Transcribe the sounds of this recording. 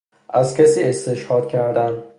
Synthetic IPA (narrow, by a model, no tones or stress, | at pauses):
ʔæzkʰæsiːest̪eʃhɒːd̪̥cʲʰæɾd̪æn